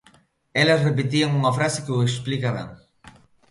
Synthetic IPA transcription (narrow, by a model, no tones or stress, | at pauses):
ɛlɐsrep̬et̪iaŋuŋɐfɾase̥keueksplikaβɛ̰ŋ